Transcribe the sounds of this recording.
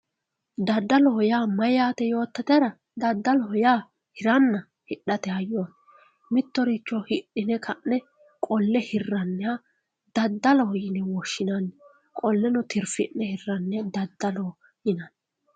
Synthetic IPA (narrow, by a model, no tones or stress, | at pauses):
d̪ɐd̪ːɐlɔhjaːmɐjaːt̪ɛjo̞ːt̪ːɐt̪ɛɾɐ | d̪ɐd̪ːɐlɔhjaː | hɪɾɐnːɐ | hɪɗɐt̪ɛɐjon | mɪt̪ːɔɾit͡ʃːɔhɪɗɪnɛkʰɐʔːɛ | kʼɔlːɛhɪrːɐnːɛa | d̪̥ɐd̪ːɐlɔjɪnɛwɔʃːɪnanːɛ | kʼɔlːɛnʊt̪ɪɾfɪnːɛhɪrːɐnːɛd̪ɐd̪ːɐlo | jɪnɐnː